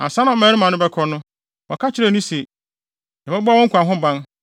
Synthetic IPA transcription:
ã̰˨sã˦nã˨mɛ̃˨˦ɾɪ˦mã˨nʊ̃˦bɛ˦kʰɔ˦nʊ̃˦ | wɔ̰˨kʰa˦t͡ɕʰɪ˦ɾɛ˦˨nĩ˦se˨ | nã˨bɛ˦bɔ˦wɔ̃˦ŋ̩˦kʰʷu˨ã˨ɦʊ̃˦˨bã˦n

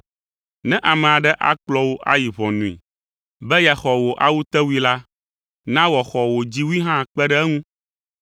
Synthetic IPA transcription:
nɛ̃˦ʔa˨mɛ̃˨a˨ɖɛ˦ʔa̰˦k͡plɔ˦wo˦ʔa̰˦ji˨βɔ̃˨nũ˨ḭ˨ | bɛ˦ja˨xɔ˨wo˨ʔa˦wu˦t̪ɛ˦wu˦i˦la˦ | nã˦wɔ˨xɔ˨wo˨d͡ʑi˦wu˦i˦ɦã˦˨k͡pɛ˦ɖɛ˦ɛ˦ŋũ˦

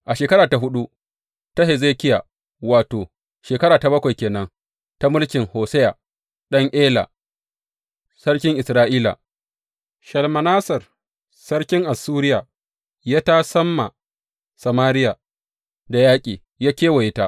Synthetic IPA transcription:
ʔa˨ʃeː˨kɐ˦ɾaː˨ta˨ɦʊ˦ɗu˦ | ta˦ɦe˨zeː˦kʲɪ˦ja˨ | waː˨toː˨ | ʃeː˨kɐ˦ɾaː˨ta˨bɐ˦kʷa˨jkʲeː˨nɐ˦ŋ | ta˦mʊ˦lkʲɪ˨ŋhoː˨sɛ˦jaː˨ | ɗɐ˦ŋʔeː˦la̰˨ | sɐ˦ɽkʲɪ˦ŋʔɪ˨sɾaː˦ʔiː˦la̰˨ | ʃɐ˨lmɐ˨naː˦sɐ˨r | sɐ˦rkʲɪ˦ŋʔa˨sːuː˦ɾɪ˦ja˨ | jaː˦ta˦sɐ˦mːa˨ | sɐ˨maː˦ɾɪ˦jaː˨ | da˨jaː˦kʲʼiː˨ | jaː˦kʲeː˦wɐ˨jɪ˦ta˦

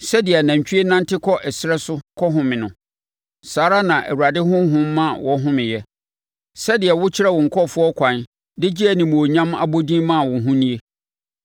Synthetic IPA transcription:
sɛ˦dɪ˨ɛ˨nã˨ɲ˨t͡ɕᶣɥe˦nã˦ntɪ˦kʰɔ˦ʔɛ˨sɪ˦ɾɛ˦sʊ˦kʰɔ˦ɦʊ̃˨mɪ̃˨nʊ̃˨ | saː˨˦ɾa˦nã˨ʔæ̰˨wu˨ɾa˨dɪ˦ɦʊ̃˦ɦʊ̃˦mː˦ã˦˨wʔɔ˦ɦʊ̃˦mɪ̃˨jɛ˦ | sɛ˦dɪ˨ɛ˨wʊ˦t͡ɕʰɪ˦ɾɛ˦˨wʊ̃˨ŋ̩˨kʰɔ˦˨fʊ˦ɔ˦kʷʰã˨n | dɪ˦d͡ʑi˦æ˨nĩ˨mũ˨o˨ɲã˦ma̰˦bo˦dĩ˦mã˦˨wʊ̃˨ɦʊ̃˦nĩ˦e˦

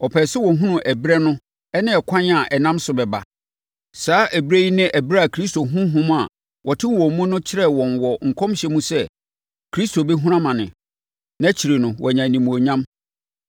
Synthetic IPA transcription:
ɔ˨pʰɛː˨sɛ˦wɔ̃˨ɦũ˦nʊ̃˨ʔæ˨bɾɛ˦nʊ̃˦ | ɛ˦nɪ̃˦ɛ˨kʷʰã˦n˦a˨ʔɛ˨nã˦msʊ˨bɛ˨ba̰˨ | saː˨˦ʔæ˨bɾe˦i˦nɪ̃˦ʔæ˨bɾa˦a˨kʰɾi˦sto˨ɦũ˦ɦũ˦m˦a˨ | wʔɔ˨tʰɪ˦wɔ̃˨mũ˦nʊ̃˦t͡ɕʰɪ˦ɾɛ˦wɔ̃˨nwɔ˨ŋ̩˨kʰɔ̃˦m˦ɕɛ˦mũ˦sɛ˦ | kʰɾi˦sto˨be˦ɦũ˦ɾã˦mã˨nɪ̰̃˨ | nã˦t͡ɕʰi˨ɾe˨nʊ̃˨wʔɔ˨ɲã˨nĩ˨mũ˨o˨ɲã˦m

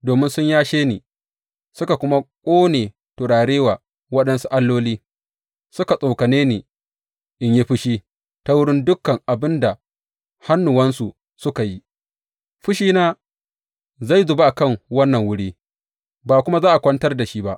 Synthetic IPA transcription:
doː˨mɪ˦nsʊ˦ɲjaː˦ʃeː˦niː˨ | sʊ˦ka˨kʷʊ˦ma˦kʷʼoː˦neː˨ | to˨ɽaː˨ɽeː˦waː˨ | wɐ˦ɗɐ˦nsu˦ʔa˦lːoː˦liː˦ | sʊ˦ka˨sʼo˨kɐ˨neː˦neː˨ | ʔɪ˦ɲji˦ɸɪ˦ʃiː˦ | ta˦wʊ˦ɽɪ˦ndʊ˦kːɐ˨ŋʔa˨bɪ˦nda˨ | ha˦nːʊ˨wɐ˦nsu˨ | sʊ˦ka˨ji˦ | ɸɪ˦ʃiː˦naː˦ | za˦˨jzʊ˨ba˦ʔa˨kɐ˦˨ŋwɐ˦nːɐ˨ŋwʊ˦ɽiː˦ | baː˨kʷʊ˦ma˦zaː˦ʔa˨kʷɐ˦ntɐ˦rda˨ʃi˦ba˦ʔ

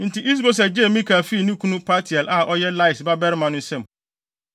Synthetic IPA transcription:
n̩˨ti˨ʔi˦s̬bo˦s̬ɛ˨d͡ʑe˦˨mĩ˦ka˨fi˦˨nĩ˦kʰu˦nũ˦pʰa˦tʰi˨ɛ˨lʔa˦ʔɔ˦jɛ˦la˦ɪ˨sba˦bɛ˦ɾmã˨nʊ̃˦sɛ̃˨m

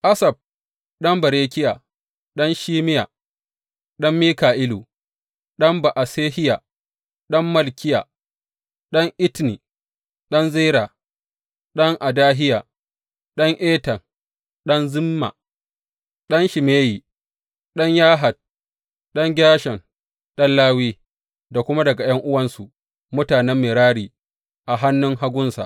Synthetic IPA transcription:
ʔa˦sɐ˨b̚ | ɗɐ˦mbɐ˨ɾeː˦kʲɪ˦ja˨ | ɗɔ˦nʃiː˦mɪ˦ja˨ | ɗɐ˦mːiː˦kaː˨ʔɪ˦lu˨ | ɗɐ˦mba˨ʔa˨seː˦hɪ˦ja˨ | ɗɐ˦mːɐ˦lkʲɪ˦ja˨ | ɗɐ˦ŋʔɪ˦tni˨ | ɗɐ˦nzeː˦ɾa˨ | ɗɐ˦ŋʔa˨daː˦ɦɪ˦ja˨ | ɗɐ˦ŋʔeː˦tɐ˨n | ɗɐ˦nzɪ˦mːa̰˨ | ɗɐ˦nʃɪ˨meː˦jiː˨ | ɗɐ˦ɲjaː˦ɦa˨d̚ | ɗɐ˦ŋɡʲaː˦ʃɛ˨n | ɗɐ˦nlaː˦wiː˦ | da˨kʷʊ˦ma˦dɐ˨ɡa˨j̰ɐ˦ŋʔʊ˦wɐ˦nsu˨ | mʊ˦taː˨nɛ˦mːeː˨ɾaː˦ɽiː˨ | ʔa˨ɦa˦nːʊ˦ŋɦa˦ɡʷʊ˦nsa̰˨ʔ

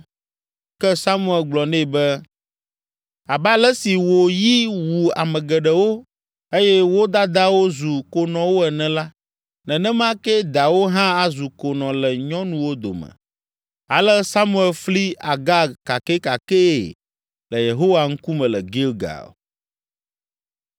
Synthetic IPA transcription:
kɛ˦sa˦mũ˦˨ɛ˨lɡ͡blɔ˨nɛ̃˦˨bɛ˦ | a˨ba˦lɛ˦si˨wo˨ji˦wu˨a̰˨mɛ̃˨ɡɛ˨ɖɛ˨wo˦ | e˦jɛ˦wo˦d̪a˦d̪a˦wo˦zu˨ko˨nɔ̃˨wo˦ɛ˨nɛ̃˨la˦ | nɛ̃˨nɛ̃˦mã˦kɛ˦d̪a˨wo˦ɦã˦a˦zu˨ko˨nɔ̃˨lɛ˨ɲɔ̃˦nũ˨wo˦d̪o̰˨mə̰̃˨ | a̰˨lɛ˦sa˦mũ˦ɛ˨lfli˦a˨ɡa˦ka˨ke˦ka˨ke˦˨ | lə˨je˨ɦo˦wa˨ŋ̩˦ku˦mɛ̃˨lɛ˨ɡi˦lɡa̰˨

